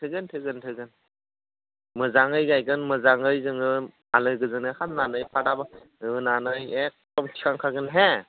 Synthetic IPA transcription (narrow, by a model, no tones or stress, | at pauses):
tʰɯɡɯntʰɯɡɯntʰɯɡɯn | mɯzaŋɯjɡajɡɯnmɯzaŋɯjzɯŋɯ | alɯɡɯzɯŋɯhannanɯjpʰaɾabɯ | ɯnanɯjek̚tɔmtʰi̥kʰaŋkʰaɡɯnɦe